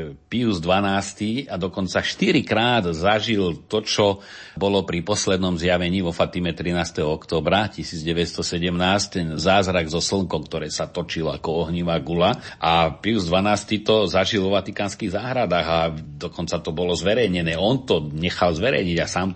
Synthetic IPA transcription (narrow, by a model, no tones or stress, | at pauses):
piuzd̪ʋanaːst̪iad̪ɔkɔnt͡saʃt̪iɾikɾaːd̪zaʒilt̪ɔt͡ʃɔ | bɔlɔpɾipɔslɛd̪nɔmzjaʋɛɲiːʋɔfat̪imɛt̪ɾinaːst̪ɛɦɔɔkt̪ɔːbɾacisiːd͡zɟɛʋɛtst̪ɔsɛɟɛmnaːsct̪ɛnzaːzɾaɡzɔsl̩ŋkɔʊk̚t̪ɔɾɛːsat̪ɔt͡ʃila̰kɔɔɦɲiʋaːɡulaʔapiuzd̪ʋanaːst̪it̪ɔzaʒilʋɔʋat̪ikaːnskiɣzaːɦɾad̪aːɣad̪ɔkɔnt͡sat̪ɔbɔlɔzʋɛɾɛjɲɛnɛːɔnt̪ɔɲɛxalzʋɛɾɛ̰jɲiɟasaːm